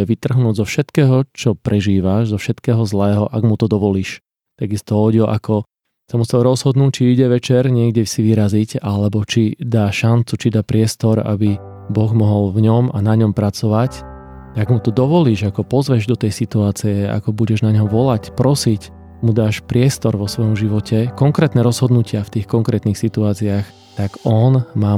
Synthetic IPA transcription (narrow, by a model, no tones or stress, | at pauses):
ɛʋit̪r̩ɦnuːɟzɔfʃɛt̪kɛːɦɔt͡ʃɔpɾɛʒiːʋaʃzɔfʃɛt̪kɛːɦɔzlɛːɦɔʔaɡmut̪ɔd̪ɔʋɔliːʃ | t̪aɡist̪ɔɦɔɟiɔʔakɔ | samusɛlɾɔzɦɔd̪nuːct͡ʃiiɟɛʋɛt͡ʃɛɾɲɪɛɡɟɛsiʋiɾazicalɛbɔt͡ʃid̪aːʃant͡sut͡ʃid̪aːpɾɪɛst̪ɔɾa̰bi | bɔɣmɔɦɔlvɲɔmanaɲɔmpɾat͡sɔʋac | aɡmut̪ɔd̪ɔʋɔliːʒakɔpɔzʋɛʒd̪ɔt̪ɛjsit̪uaːt͡siɛa̰kɔbuɟɛʒnaɲɦɔʋɔlacpɾɔsic | mud̪aːʃpɾɪɛst̪ɔɾʋɔsʋɔjɔmʒiʋɔcʰɛkɔŋkɾɛːt̪nɛɾɔzɦɔd̪nucɪaft̪iːxkɔŋkɾɛːt̪nixsit̪uaːt͡siax | t̪aɡɔnmaː